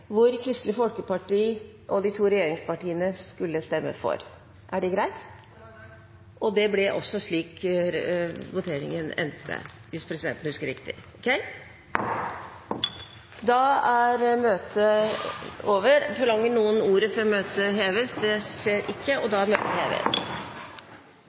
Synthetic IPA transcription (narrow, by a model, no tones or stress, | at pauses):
ʋʊɾkʰɾʏst̪ləfɔlkəpɑʈiː | ʔɔd̪ɪt̪ʰuːɾɛjeːɾɪŋspɑʈiːənəskʉlːəst̪ɛmːə̰fɔ̰ɾ | ʔæɖɛɡɾæɪt̪ | ʔɔd̪ɛblɪʔɔ̰sːɔʂɭiːk | ʋʊt̪ʰeːɾɪ̰ŋənɛ̰nt̪ʰːə̰ | ʋɪspʰɾɛsɪd̪ɛ̰nt̪n̩hʉskəɾɪkt̪ɪ̰ɔkʰɛɪ | d̪ɑæɾmøːt̪ʰə | oːʋəɾfɔɭɑŋːəɳnuːənuːɾəfɔɾɔmøːt̪əɦeːʋəsd̪ɛʂeːɾʔɪkʰːəɔd̪ɑæɾmøːt̪əheːʋḛs